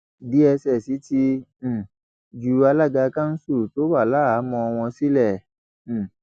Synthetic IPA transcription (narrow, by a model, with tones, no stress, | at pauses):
di˨˦ɛ˧sɛ˨si˨˦ti˧˨ | d͡ʒu˨˦a˧la˦˨ɡa˧kã˦n̩˦su˦˨to˨˦wa˦˨la˦a˨˦mɔ̃˧w̃ɔ̃˧si˦lɛ˦˨